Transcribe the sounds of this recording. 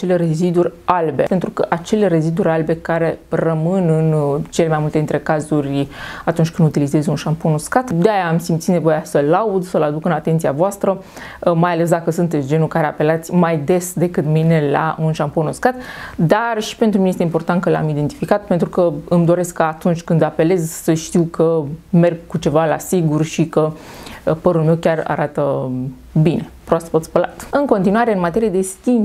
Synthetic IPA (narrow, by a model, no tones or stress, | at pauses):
at͡ʃele̞re̞zid̪uɾʲalbe̞̰pent̪ɾukəʔat͡ʃe̞le̞re̞zid̪uɾʲalbe̞kaɾe̞rəmɨnɨnt͡ʃe̞le̞majmult̪ed̪int̪ɾe̞kazurʲat̪unt͡ʃʲkɨnd̪ut̪ilize̞zunʃamponuskat̪d̪eajaːmsimt̪sit̪ne̞vo̞jasəlaud̪səlad̪ukɨnat̪ent̪siavoast̪ɾə | majale̞s̬d̪akəsunt̪et̪sʲd͡ʒe̞nukaɾe̞ape̞lat̪sʲmajd̪e̞sd̪e̞kɨt̪mine̞la̰ʔunʃamponoskat̪d̪arʃi̥pe̞nt̪ɾumnejest̪eimpo̞rt̪ant̪̚kəla̰mid̪e̞nt̪i̥fikat̪̚pe̞nt̪ɾukəɨmd̪o̞ɾe̞skːaːt̪unt͡ʃʲkɨnd̪ape̞le̞zsəʃt̪iwkʰəme̞rɡkut͡ʃe̞vala̰siɡurʃikə | pəɾulme̞wkʲara̰ɾat̪ə | bine̞pɾoast̪pət̪spəla̰t̪ɨŋko̞nt̪inuaɾeɨnmat̪e̞ɾijed̪e̞st̪im